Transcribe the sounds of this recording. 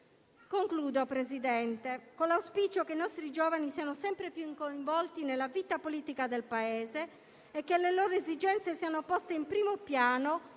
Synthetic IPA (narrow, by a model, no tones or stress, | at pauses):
koŋkluːd̪opɾezid̪ɛnt̪ekonlːawspit͡ʃokeinɔst̪ɾid͡ʒoːvanisiːanosɛmpɾepjuiŋkoiɱvɔlt̪inelːaviːt̪apoliːt̪ikad̪elpaeːzeː | kːelːeloːɾoezid͡ʒɛnt̪sesiːanopɔst̪eimpɾiːmopjaːno